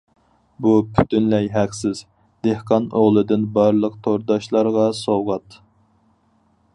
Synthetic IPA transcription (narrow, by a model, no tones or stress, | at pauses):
bupʰy̥t̪ʰynlɛjɦæqsɪz̥ | d̪̥ehqʰɑnoʁlˠɨd̪ɨnbɑɾlˠəq̚t̪ʰoɾd̪ɑʃlˠɑɾʁɑsowʁɑt̪